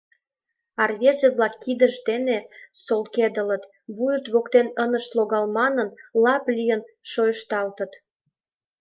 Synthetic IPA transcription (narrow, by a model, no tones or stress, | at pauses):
ɑrβezeβlɑkːid̪əʒd̪enesolked̪ələt̪ | βujəʃt̪βokt̪enənəʃt̪loɣɑlmɑnənlɑplʲyjənʃojəʃt̪ɑlt̪ə̆t̪